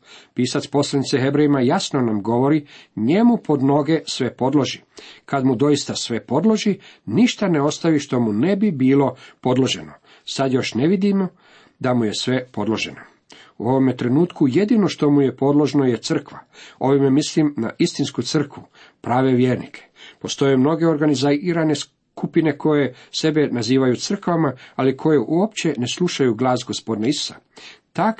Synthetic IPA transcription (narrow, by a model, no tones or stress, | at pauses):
piːsatspo̞slˠanit̪seɦe̞bɾejimajasno̞namɡo̞ʋo̞ɾiɲe̞mupʰo̞d̪no̞ɡe̞sʋe̞po̞d̪lo̞ʒi | kad̪mud̪o̞ist̪asʋe̞po̞d̪lˠo̞ʒiniʃt̪aneo̞st̪aʋiʃt̪o̞mune̞bibiːlo̞po̞d̪lo̞ʒe̞no̞ | sad̪jo̞ʃneʋid̪imo | d̪amuje̞sʋe̞po̞d̪lo̞ʒe̞̰no | uo̞ʋomet̪ɾe̞nuːt̪kuje̞d̪ino̞ʃt̪o̞muje̞po̞d̪lo̞ʒnojet̪sr̩kʋao̞ʋimemislimna̰ʔist̪inskut̪sr̩kʋu | pɾaːʋe̞ʋjeːɾnḭkʰe̥po̞st̪o̞jemno̞ɡe̞o̞ɾɡanizaɾane̞s | kupine̞kʰo̞je̞se̞benaziːʋajut̪sr̩kʋamaalikʰo̞jeʔuopt͡ɕe̞ne̞slˠuʃajuɡlaːsɡo̞spo̞d̪naisu̥sa̰ | t̪ak